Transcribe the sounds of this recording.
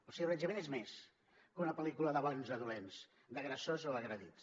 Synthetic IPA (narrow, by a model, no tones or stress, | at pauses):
osiərəʒəmenezmes | kunəpəlikuləðəβanzəðuɛms | d̪əɣɾəsozoəɣɾəðḭt̪